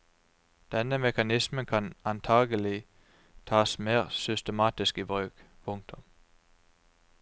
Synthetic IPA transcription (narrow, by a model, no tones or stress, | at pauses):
d̪̥ɛnəmɛkɑnɪsmənkʰɑnɑnt̪ʰɑːɡəlɪ | t̪ʰɑːsmeːʁsʏst̪əmɑːt̪ɪskiːbʁøːkpʰʊŋt̪ʰʊm